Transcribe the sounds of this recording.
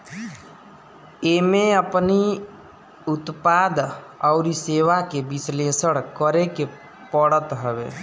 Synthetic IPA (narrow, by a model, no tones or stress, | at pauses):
eːmẽəpni | ʊt̪paːd̪ɔʊɾiseːʋakebɪsleːsəɽkəɾeke | pɔɽət̪ɦɛʋḛː